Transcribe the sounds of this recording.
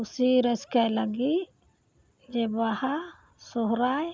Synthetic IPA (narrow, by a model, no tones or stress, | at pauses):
usiɾəskajlaɡit | d͡ʒɛbaha | sɔɦɾaj